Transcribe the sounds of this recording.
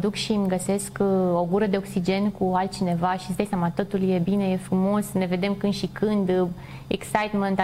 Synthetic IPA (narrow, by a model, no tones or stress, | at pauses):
d̪ukʃimɡəse̞sko̞ɡuɾəd̪e̞o̞ksid͡ʒe̞nkualt̪̚t͡ʃine̞vaʃi̥səd̪ajsʲamat̪o̞t̪ulje̞bine̞je̞fɾumo̞sneve̞d̪e̞mkɨnʃikʰɨnd̪ | eksajt̪ment̪